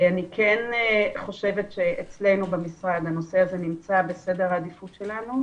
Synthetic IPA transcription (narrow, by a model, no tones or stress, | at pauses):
anikʰenχo̞ʃe̞vetʃeʔet͡sle̞jnubemisʁaɡano̞seaze̞nimt͡sabe̞se̞deʁhaːdifutʃe̞lanu